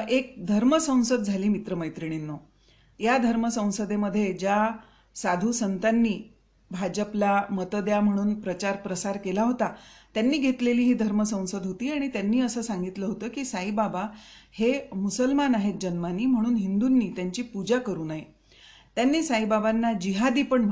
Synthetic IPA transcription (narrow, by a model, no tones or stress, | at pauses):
ek̚d̪ʱəɾməsə̃w̃səd̪̚d͡zʱaliːmit̪ɾəməjt̪ɾiɽ̃inːo | jad̪ʱəɾməsə̃w̃səd̪eməd̪ʱːjed͡ʑja | sad̪ʱuːsənt̪anːiː | bʱad͡ʑəplamət̪əd̪jam̤əɽ̃uːnpɾət͡ɕaɾpɾəsaɾkelaɦot̪at̪janːiːɡʱet̪leliːɦiːd̪ʱəɾməsə̃w̃səd̪ɦot̪iːaɽ̃it̪janːiːəsəːsaŋɡit̪ləːɦot̪əːkiːsaɦibabahemusəlmanaɦet̪̚d͡ʑənmaniːm̤əɽ̃uːnɦind̪unːiːt̪jaɲt͡ɕiːpud͡ʑakəɾuːnaɦe | t̪janːiːsaɦibabanːad͡ʑiɦad̪iːpəɳm